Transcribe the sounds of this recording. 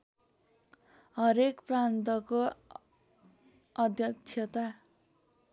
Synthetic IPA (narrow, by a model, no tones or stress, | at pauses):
ɦʌɾekprant̪ʌko | ʌd̪ʱjʌtt͡sʰʌt̪a